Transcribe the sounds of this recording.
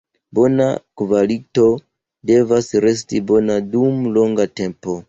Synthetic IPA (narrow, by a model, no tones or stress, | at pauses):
bo̞na̰kvalito̞ | de̞vasɾe̞s̬tibo̞nadumlo̞ŋɡate̞mpo̞